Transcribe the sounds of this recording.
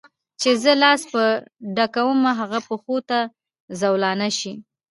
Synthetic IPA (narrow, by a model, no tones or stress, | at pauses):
t͡ʃezəlɑspəɖakawəmaɦaɣapəxot̪a | zawlɑnaʃi